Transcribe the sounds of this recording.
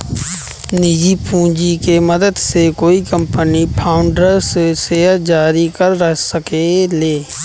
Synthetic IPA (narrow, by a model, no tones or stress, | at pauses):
nid͡ʒipũːd͡ʒikeməd̪əd̪sekoːikə̃mpənipʰaːʊɳɖəɾssed͡ʒaːɾikəɾːəsəkeleː